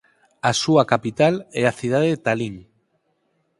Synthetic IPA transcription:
asuakapit̪alɛaθið̞aðeðet̪aliŋ

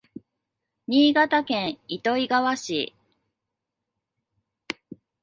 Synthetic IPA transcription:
ɲ̟iːɡat̪akẽ̞ɰ̃it̪o̞iɡaβaɕḭ

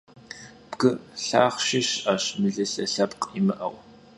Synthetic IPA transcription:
b̥ɡɨɬaːχʃɪɕaːɕmɨɮɨɬɐɬɐpqʼimɨʔɐ̰w

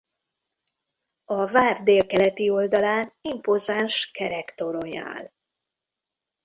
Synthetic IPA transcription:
ɒvaːrd̪eːlkɛlɛt̪io̞ld̪ɒlaːnimpozanʃkɛɾɛkt̪o̞ɾo̞ɲa̰ːl

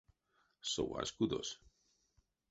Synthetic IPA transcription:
sowa̰skuðo̰s

